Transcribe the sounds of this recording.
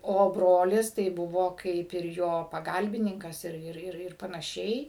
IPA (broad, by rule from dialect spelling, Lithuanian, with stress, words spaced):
oː ˈbroːlʲɪs tɐɪ ˈbʊʋoː ˈkɐɪp ɪr joː pɐˈɡɐlʲbʲɪnʲɪŋkɐs ɪr ɪr ɪr ɪr pɐnɐˈʃʲɛɪ